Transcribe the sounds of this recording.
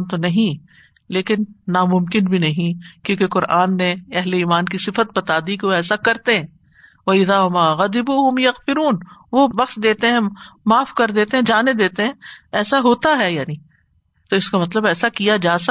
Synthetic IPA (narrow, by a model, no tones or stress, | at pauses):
t̪onɐɦĩ | leːkɪnːamʊ̃mkɪnbʱinɐɦĩkjõːkeqʊɾaːnːeɛɦleiːmaːnkisɪfət̪̚bɐt̪aːd̪ikeʋoɛːsakɐɾt̪eɦɛ̃ː | ʋɐɪðaːʋɐmaːɣɐd̪ɪbuːɦʊmjɐɣfɪɾuːnʋobɐxʃd̪eːt̪eɦɛ̃maːfkɐɾd̪eːt̪eɦɛ̃d͡ʒaːned̪eːt̪eɦɛ̃ːɛːsaɦoːt̪aɦɛjaːni | t̪oɪskamɐt̪ləbɛːsakijad͡ʒaːsɐ